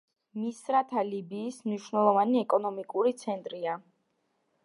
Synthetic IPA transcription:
misɾat̪ʰalibiːsmniʃwnɛlˠɔvaniɛkʼɔnɔmikʼuɾit̪sʰɛnt̪ʼɾia

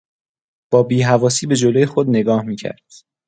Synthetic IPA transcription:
b̥ɒːbiːɦævɒːsiːbe̞d͡ʒolojexod̪ne̞ɡɒːhmiːcʰæ̰ɾd̪̥

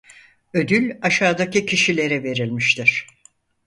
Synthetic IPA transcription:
ø̞d̪ylʲaʃaːd̪acicʰiʃilʲe̞ɾɛve̞ɾilʲmiʃt̪ʰiɾ̥

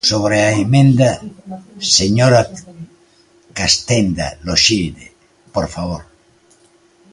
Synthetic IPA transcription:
soβɾeaemẽnd̪a | seɲoɾa | kast̪end̪a̰loʃid̪e | poɾfaβoɾ

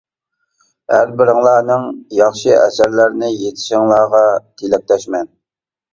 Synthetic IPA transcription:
hæɾbɪɾɪŋlˠɑːnɨŋjɑχʃɨʔɛ̰sæɾlæɾnɪjet̪ʰɪ̥ʃɪŋlˠɑːʁɑt̪ʰelɛk̚ʲlɛʃmɛn

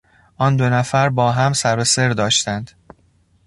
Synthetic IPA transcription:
ʔɒːnd̪o̞næfæɾbɒːɦæmsæɾose̞ɾd̪ɒːʃt̪ʰænd̪̥

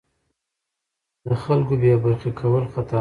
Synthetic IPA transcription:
d̪̥əxalkobjɑbaɾxikʰawəlxat̪ɑ

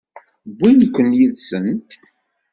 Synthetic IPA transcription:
bːinəkʷːənjiðsənt̪

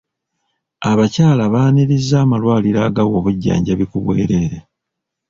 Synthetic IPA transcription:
aβacaːlaβaːniɾizːaːmalwaːliɾaːɡawo̞ːβuɟːa̰ːɲɟaβikuβwḛːɾe̞ːɾe

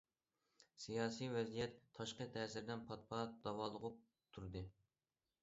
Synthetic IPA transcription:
sijɑːsijvɛzijɛt̪ʰːɑʃqət̪ʰɛːsɪɾd̪ɛnpʰɑt̪̚pʰɑd̪̥ɑwɑːlˠəʁʊp̚ | t̪ʰuɾd̪ɨ

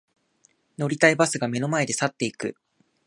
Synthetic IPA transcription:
no̞ɾʲit̪aibasɨɡame̞no̞mae̞d̪e̞sat̪ːe̞ikɯ

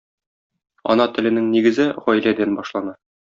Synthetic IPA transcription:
ɒ̰nɑt̪ɘ̆lɘ̆nɘŋniɡɘ̆zɘʁɒjlæd̪ænbɒʃlˠɑnɑ

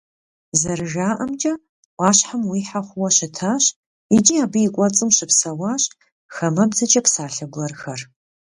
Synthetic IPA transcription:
zɐrɨʒaːʔɐmd͡ʒʼɐ | ʔʷʼɑːɕħamwiːħaχʷʊwɐɕɪtʰaːɕ | id͡ʒʼiaːbɨikʷʼɔt͡sʼɨmɕɪpsɐwaːɕ | xɐmɐbzɐt͡ʃʼɐpsaːɬɐɡʷlɐrxɐr

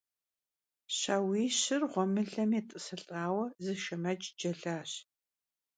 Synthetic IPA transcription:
ɕaːwiːɕɪrʁʷɔmɨɮɐmeːtʼɨsɨɬʼaːwɐzɨʃɐmɐd͡ʒʼd͡ʒɐɮaːɕ

